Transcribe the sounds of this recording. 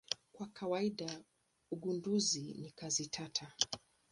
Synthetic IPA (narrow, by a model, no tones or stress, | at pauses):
kwakawaiɗa | uɠunduzinikazitʰatʰa